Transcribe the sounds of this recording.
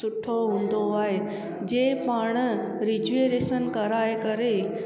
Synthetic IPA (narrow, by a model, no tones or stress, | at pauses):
ʊʈʰoɦũːn̆d̪oaːɦe | d͡ʑeːpaːɽ̃ | ɾɪd͡ʑueɾeːʃənkɐɾaːekɐɾe